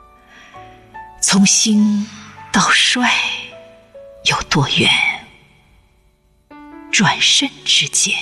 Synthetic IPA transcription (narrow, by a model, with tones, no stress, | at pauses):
t͡sʰʊ˧˥ŋɕi˥nt̪ɑ˥˧ʊʂwa˥˩ɪ | jo˨˩ʊt̪wɔ˥˧jɥɛ˧˥n | ʈ͡ʂwa˨˩nʂə˥˧˩nʈ͡ʂɻ̩˥t͡ɕjɛ˥